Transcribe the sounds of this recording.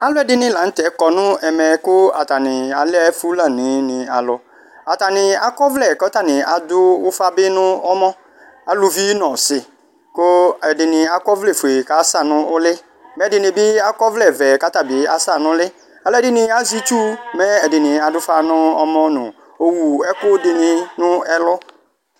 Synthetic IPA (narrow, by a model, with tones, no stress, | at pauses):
a˨lʊ˦ɛ˨dɪ˨nɪ̃˦la˨n̩˦tɛ˨˦kɔ˨nʊ̃˦ɛ˨mɛ˨kʊ˦a˨ta˨nɪ̃˨a˨lɛ˦fu˦la˨nɪ̃˨˦nɪ̃˨a˨lʊ˦ | a˨ta˨nɪ˨a˨kɔ˦vlɛ˦˨kɔ˦ta˦˨nɪ̃˨a˨dʊ˦wʊ˦fa˦bɪ˦nʊ̃˦ɔ˦mɔ̃˦ | a˨lʊ˨vi˦nɔ̃˨sɪ˨ | kʊ˦ɛ˨dɪ˨nɪ˨a˨kɔ˦vlɛ˨fe˨ka˨˦sa˦˨nʊ̃˦ʊ˦lɪ˦ | mɛ˨˦dɪ˨nɪ̃˨bɪ˦a˦kɔ˦vlɛ˦˨vɛ˨ka˦ta˨bɪ˨a̰˨sa˦˨nʊ̃˦lɪ˦ | a˨lɛ˦dɪ˨nɪ̃˨a˦zi˦t͡ʃu˦mɛ˦ɛ˨dɪ˨nɪ̃˨a˨dʊ˦fa˦nʊ̃˦ɔ˦mɔ˦nʊ̃˨ | o˨wu˨ɛ˦kʊ˦dɪ˨nɪ˨nʊ̃˦ɛ˦lɔ˦